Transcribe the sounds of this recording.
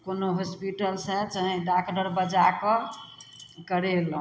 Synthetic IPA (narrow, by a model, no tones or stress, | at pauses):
konoɦospiʈəlsət͡ʃəɦĩɖakɖəɾbəd͡ʒakɔ | kəɾel